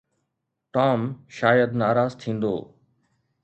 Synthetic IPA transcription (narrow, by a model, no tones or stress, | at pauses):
ʈɔːmʃaːjəd̪naːɾaːzt̪ʰĩːnd̪o̰ː